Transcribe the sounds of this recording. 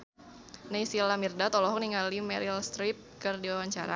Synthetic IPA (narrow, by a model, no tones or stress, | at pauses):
naisilamirdat̪ɔlɔɦɔk̚niŋalimɛɾilst̪ɾip̚kərdiwawaɲt͡ʃaɾa̰